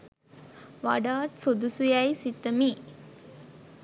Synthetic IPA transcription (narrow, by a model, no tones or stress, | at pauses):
ʋa̰ɖaːt̪sod̪usujajsit̪əmiː